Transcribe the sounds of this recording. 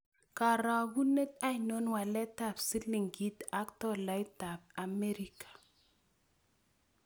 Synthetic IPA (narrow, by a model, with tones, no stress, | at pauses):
ka˨ɾa˨ɡu˦ne˦t̚a˦jno˦nwa˨lɛ˦ta˨psi˦li˨ŋɡi˦ta˦ktɔ˦˨la˨˦jta˨b̚a˨me˦ɾi˨kḁ˨